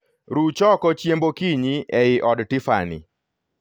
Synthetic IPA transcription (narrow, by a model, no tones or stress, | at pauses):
ɾut͡ʃɔkɔt͡ʃjembokiɲiɛɪʔɔdtɪfa̰nɪ̰